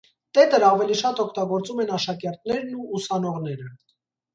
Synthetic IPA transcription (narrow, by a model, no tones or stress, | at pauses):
t̪ɛt̪əɾɑvɛliʃɑt̪ɔkʰt̪ɑɡɔɾt͡sumɛnɑʃɑkɛɾt̪̚nɛɾnuːsɑnɔʁnɛɾə